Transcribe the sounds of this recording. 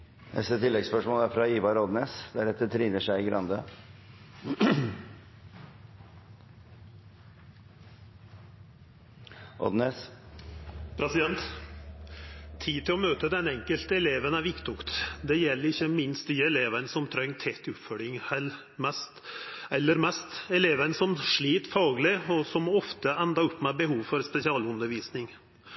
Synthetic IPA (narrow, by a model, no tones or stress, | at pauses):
nʔɛ̰st̪ət̪ʰɪlːɛɡspœʂmoːləæɾfɾɑiːʋɑɾɔd̪neːsd̪æɾɛt̪ːət̪ʰɾiːnəʂæɪɡɾʔɑnd̪ə | ʔɔ̰d̪neːs | pʰɾɛsɪd̪ɛnt̪ | t̪ʰːiːt̪ʰɪlɔmøːt̪əd̪ɛnɛŋkəlt̪əɛleːʋənæʋɪkt̪ʊkt̪d̪ɛjɛlːəɾɪçːəmɪnst̪yːəɛleːʋənsɔmt̪ʰɾœŋːt̪ʰɛt̪ʰːʉp̪fœɖɪŋhɛl | mɛst̪ɛlːəɾmɛst̪ɛleːʋənsɔmʂɭiːt̪fɑːɡlɪɔsɔmɔft̪əɛnd̪ɑʊpːmɛbəhuːʋfɔɾspɛsɪɑːlʉnd̪əɾʋiːsnɪŋ